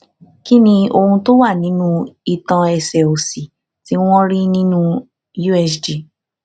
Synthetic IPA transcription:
ki˦nĩ˧o˧hũ˧to˦wa˦˨nĩ˨˦nũ˦i˧tã˨˧ɛ˧˨sɛ˨o˨si˨ | ti˨˦w̃ɔ̃˦ɾi˦nĩ˦nũ˦ | ju˦ɛ˧sd͡ʒi˨

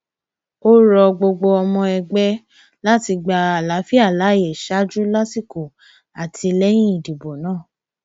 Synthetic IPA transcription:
o˦ɾɔ˧ɡ͡bo˧ɡ͡bo˧ɔ˧mɔ̃˧ɛ˧ɡ͡bɛ˦ | la˦ti˧ɡ͡ba˧a˨la˨˦fi˦a˦˨la˨˦˨je˨ʃa˦d͡ʒu˦la˦ti˦˨ku˨ | a˨ti˧lɛ˦j̃ĩ˦i˨di˨bo˨nãː˦˨

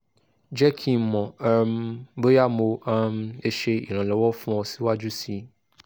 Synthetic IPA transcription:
d͡ʒɛ˦kʰĩ˦mɔ̃˨a˦mbe˦ja˦mo˧a˦m˦e˦ʃe˧ḭ˨ɾ̃ɔ̃˨lɛ˨wɔ˦fũ˦ɔ˧si˦wa˦d͡ʒu˦si˦

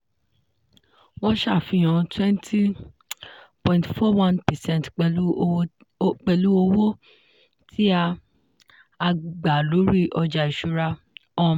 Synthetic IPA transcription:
wɔ̃˦ʃa˦˨fĩ˧˨j̃ã˧twɛ̃˦ntʰi˦ | pɔ̃˨ĩntfɔ˦wã˦npɛ˨sɛ̃˦n˨tk͡p | k͡pɛ˧lu˦o˧wo˦ | tʰi˦a˧ | ɡ͡ba˨lu˨˦ɾi˦ʔɔ˧d͡ʒa˨i˨ʃu˧ɾa˧ | ɔ˦˧˨

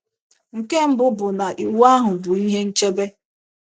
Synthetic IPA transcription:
ŋ̩˨ke˦m̩˦bʊ˦bʊ˨na˨ʔi˨wa˦ɦʊ˨bʊ˨i˦ɦe˦n̩˦t͡ʃe˦be˦

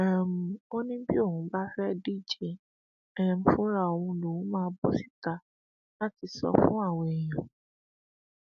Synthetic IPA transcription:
ɛ˦˨m̩˨o˦nĩ˦bi˦o˦˨hũ˧˦ba˦fɛ˦di˦˨d͡ʒe˨˦ | ɛ˦m̩˨˦fũ˦ɾa˦˨o˨wũ˧lo˨wũ˨˦mãː˦˧˦bɔ˦si̥˦˨ta˧ | la˦ti˧sɔ̰˧fũ˦a˦˨w̃ɔ̃˧ɛ˨j̃ã˨

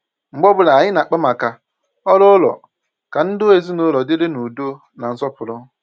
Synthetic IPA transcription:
ŋ͡m̩˨ɡ͡bɔ˦bʊ˦la˨a˨ɲɪ˦na˨k͡pa˦ma˨ka˨ | ɔ˦lɔ˦lɔ̰˨ | ka˨n̩˦dʊ˦e˨zi˦nʊ˦lɔ˨dɪ˦ɾɪ˦nu˨do˦ | na˨n̩˦sɔ˦pʊ˨ɾʊ˦

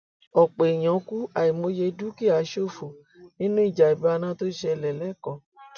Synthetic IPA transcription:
ɔ˨k͡pe˨i˨j̃ã˨˦ku˦a˨i˨mo˧˦je˧du˦ki˦˨a˨˦ʃo˦˨fo˨ | nĩ˦nũ˦i˦˨d͡ʒa˨i˨ba˧˦˧nã˦to˦ʃɛ˧lɛ˨lɛ˨˦kɔ̃˨

